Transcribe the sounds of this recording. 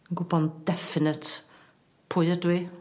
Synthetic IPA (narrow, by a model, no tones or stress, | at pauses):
ənɡʊbɔnd̥ɛfɪnət | pʰʊjədwi